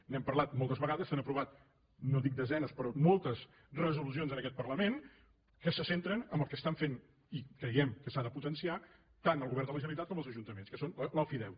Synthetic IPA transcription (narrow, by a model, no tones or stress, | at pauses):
nɛmpərlat̪̚molˠt̪əzβəɣaðəsənəpɾuβ̞at̪̚ | noðik̚d̪əzɛnəspɾɔmolˠt̪əz | rəzulus̬ionzənəkɛt̪̚pərləmen | kəsəsent̪ɾənəmbəlˠkəst̪aɱfen | ikɾəjɛmkəsaðəput̪ənsia | t̪anəlˠɣuβɛɾd̪ələʒənəlit̪at̪kɔməlˠzəʒunt̪əmenskəsonlələlˠfiðɛw